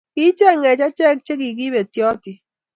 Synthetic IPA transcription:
ki˦t͡ʃɛ˦˨ŋɛ˨t͡ʃa˦t͡ʃɛ˦˨k̚t͡ʃe˦ki˨ki˦be˨tjɔ˦tɪ˨

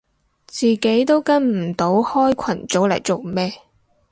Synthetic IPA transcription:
t͡siː˨ke˨˥jt̪o˥wkɐ˥nm̩˨˩t̪o˨˥whɔː˥jkʷʰɐ˨˩nt͡so˨˥wlɐ˨˩jt͡so˨wmɛː˥

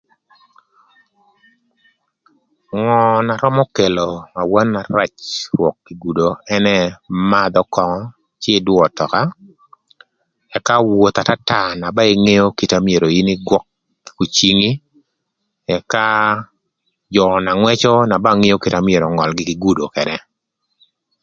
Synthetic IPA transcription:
ŋɔ˨na˨ɾɔ˦mɔ˦ke˨lo˨ma˨wa˦nːa˨ɾa˦t͡ʃɾwɔ˨kːi˨ɡu˨do˨ɛ˦nɛ˦ma˦d̪ɔ˦kɔ˨ŋɔ˦ | t͡ʃɪ˦dwɔ˨tɔ˨ka˦ | ɛ˨ka˦wo˨t̪a˨ta˦ta˨na˨ba˦e˦ŋe˦jo˦ki˨ta˦mje˨ɾo˨i˦ni˦ɡwɔ˦k̚ː | u˨t͡ʃi˦ŋi˦ | ɛ˨ka˦ | d͡ʒɔ˨na˨ŋwɛ˦t͡ʃɔ˦na˨ba˦ŋe˦jo˦ki˨ta˦mje˨ɾo˨ŋɔ˨lɡɪ˦ki˨ɡu˦do˨kɛ˨ɾɛ˦

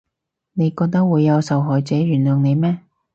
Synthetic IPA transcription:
ne˨˧jkɔː˧k̚t̪ɐ˥k̚wuː˨˧jːɐ˨˧wsɐ˨wɦɔː˨jt͡sɛː˨˥ɥyː˨˩nlœː˨˩ŋne˨˧jmɛː˥

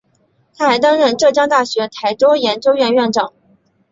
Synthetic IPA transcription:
t̪ʰa˥xa˧˥ɪt̪ɑ˥ŋɻə˥˧nʈ͡ʂɤ˥˩t͡ɕjɑ˥ŋt̪a˥˩ɕɥɛ˧˥t̪ʰa˧˥ɪʈ͡ʂ̪o˥ʊjɛ˧˥nt͡ɕjo˥ʊɥɛ˥˧nɥɛ˥˩nʈ͡ʂɑ˨˩˦ŋ

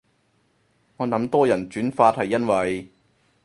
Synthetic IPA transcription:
ŋɔː˨˧nɐ˨˧˥mt̪ɔː˥jɐ˨˩nt͡ʃyː˨˥nfaː˧t̚hɐ˨jːɐ˥nwɐ˨˩j

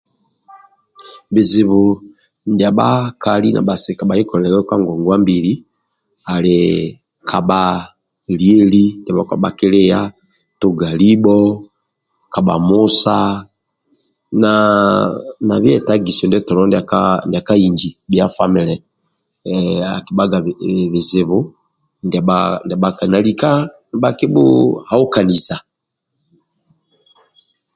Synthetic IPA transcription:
bi˨zi˨βo˨ | ndja˨ba˦ka˨li˦na̰˨ba˨si˨ka˨ɓa˨li˦kɔ˨lɛ˨ɛ˨kɛ˦kwa˦ŋɡɔ˨ŋɡwa˦mbi˨ɾi˦ | a˨le | kʰa˨ɓa˨ | lie˦li˦nda˨βɔ˨ka̰˨ɓa˨kɪ˦le˦ja˦ | tu˦ɡa˨li˦bɔ˦ | ka˨ɓa̰˨mu˦sa˦ | na˨ | na˨βjɛ˨ta˦ɡi˨sɔ˨ndɛ˦tɔ˨lɔ˦ndka˦nda˨ka˦i˨ɲd͡ʒi˨bja˦fa˦mɛ˨lɛ˨ | a̰˨ki˨˦ɓa˦ɡa˨βe˨ze˨βo˦ | ndɛ˨andɛ˨ɓa˦ka˨na˨li˨ka˦˨ | ɓa˦ke˦bo̰˦ha˦o˦ka˨ni˨za˨

